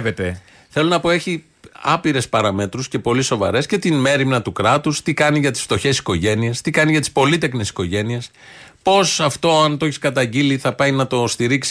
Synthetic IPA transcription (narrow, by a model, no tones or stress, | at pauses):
vet̪e | θe̞lo̞nɐpo̞e̞çi | ɐpiɾe̞spɐɾɐme̞t̪ɾusce̞po̞liso̞vɐ̰ɾe̞sce̞t̪inme̞ɾimnɐt̪ukɾɐt̪ust̪ikɐniʝɐt̪i̥sft̪o̞çe̞si̥ko̞ʝe̞niest̪ikɐniʝɐt̪ispo̞lit̪e̞kne̞si̥ko̞ʝe̞nies | po̞sɐft̪o̞ɐnt̪oi̥skɐt̪ɐɲɟiliθɐpɐinɐt̪o̞st̪iɾiksi̥